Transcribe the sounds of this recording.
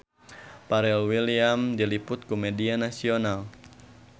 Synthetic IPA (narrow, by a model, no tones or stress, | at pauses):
paɾɛlwiliamdilipʊt̪̚komedianasional